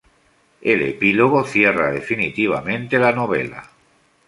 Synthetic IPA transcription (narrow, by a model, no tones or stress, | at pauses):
elḛpiloɣoθje̞raðḛfinit̪iβ̞amẽ̞nt̪elanoβ̞e̞̰la̰